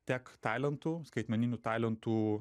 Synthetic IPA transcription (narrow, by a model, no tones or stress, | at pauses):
t̪ʲækt̪ɑɪlʲɛnt̪uːskɐɪt̪ʲmʲɛnʲɪnʲuːt̪ɑɪlʲɛnt̪uː